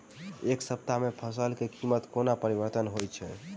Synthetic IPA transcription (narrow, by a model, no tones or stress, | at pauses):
eksəp̚t̪amepʰəsəlkekimət̪konapəɾibəɾt̪ənɦojt͡ʃʰɛ̰